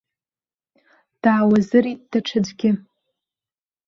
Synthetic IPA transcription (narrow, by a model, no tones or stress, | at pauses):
d̥aːwazɨritʼd̥aʈ͡ʂʰɨd͡ʒɡʲɪ